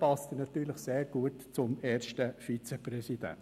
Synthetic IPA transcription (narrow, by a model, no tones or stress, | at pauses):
pɑst̪ənɑt̪yːɾləχseːɾɡ̥uətt͡sʊmɛːrʃtəfit͡sɛprɛsid̥æ̰